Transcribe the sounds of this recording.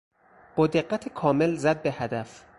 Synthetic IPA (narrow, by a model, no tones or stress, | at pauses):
b̥ɒːd̪eɢːæt̪ʰekʰɒːme̞lzæd̪̚behæd̪æf